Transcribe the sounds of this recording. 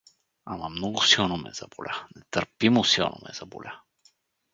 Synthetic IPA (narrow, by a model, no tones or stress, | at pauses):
amɐmnɔɡʊsilˠnomɛ̰z̥ɐ̰bolʲʔanɛt̪əɾpimosilˠno̰mɛ̰z̥ɐbo̰lʲʔa